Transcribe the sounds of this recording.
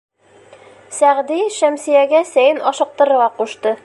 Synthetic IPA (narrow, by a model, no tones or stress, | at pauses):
sæʁd̪iʃæmsijæɡæsæjɘnɒʃɤ̆q̚t̪ɤ̆ɾɤ̆ʁɑquʃt̪ɤ